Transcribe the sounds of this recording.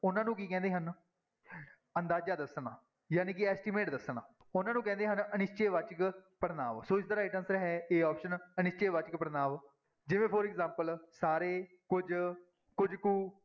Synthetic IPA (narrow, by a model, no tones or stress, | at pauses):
ʊnãːnũːkiːkɛ̃ːnd̪eːɦən | ənd̪aːd͡ʒaːd̪əsnaː | jaːniːkɪɛːsʈimeːʈd̪əsɳaː | ʊnãːnũːkɛ̃ːnd̪eːɦənənɪst͡ʃeːʋat͡ʃəkpəɾnaːʋsoːɪsd̪əɾaɪʈənsɾɛɦɛːeːɔːpʃənənɪst͡ʃeːʋat͡ʃəkpəɾnaːʋ | d͡ʒɪʋẽːpʰoːɾɛkzãːmpəlsaːɾeː | kʊd͡ʒ | kʊd͡ʒkuː